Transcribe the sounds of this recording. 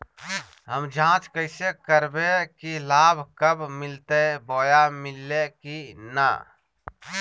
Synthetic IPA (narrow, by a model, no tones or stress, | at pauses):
ɦəmd͡ʒʱãːt͡ʃkəɪsekəɾbekilaːbʱkəbmɪlt̪eboːjamɪlːekina̰